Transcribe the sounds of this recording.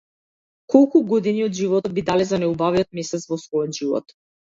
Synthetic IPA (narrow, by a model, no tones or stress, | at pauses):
kʰɔlˠkuɡɔd̪iniɔd̪ʒivɔt̪ɔbid̪alɛzanɛubaviɔt̪̚mɛsɛt̪svɔsvɔjɔt̪ʒivɔ̰t̪